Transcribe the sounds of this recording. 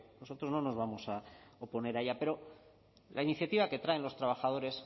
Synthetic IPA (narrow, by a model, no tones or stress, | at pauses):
no̞so̞t̪ɾo̞zno̞no̞zβamo̞saopo̞ne̞ɾaʝape̞ɾo̞ | lainiθjat̪iβaket̪ɾae̞nlo̞st̪ɾaβ̞axað̞o̞ɾe̞s